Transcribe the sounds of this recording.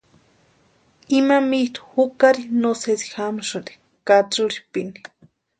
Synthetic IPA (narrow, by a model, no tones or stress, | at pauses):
imamiht̪u̥hukaɾinosesi̥xamʃund̪i̥ | kat͡suɾipini̥